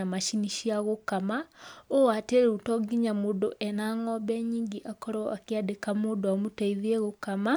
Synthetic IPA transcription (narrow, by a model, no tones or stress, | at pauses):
amaʃiniʃiaɣokamaoateɾeutɔɡiɲamoːdoʔɛnaŋɔbɛɲiːŋɡiʔakɔɾɔʔakeadekamodoamutaiðieɣokama